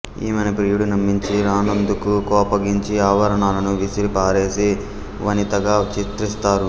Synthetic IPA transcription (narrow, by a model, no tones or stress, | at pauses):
ḭːmɐnɐpɾiːjuɽunɐmːiɲt͡ʃiɾaːnɐnd̪ukukɔːpɐɡiɲt͡ʃiaːʋɐɾɐɳaːlɐnuʋisiɾipaːɾe̞ːsi | ʋɐnit̪ɐɡaːt͡ʃit̪ɾist̪aːɾu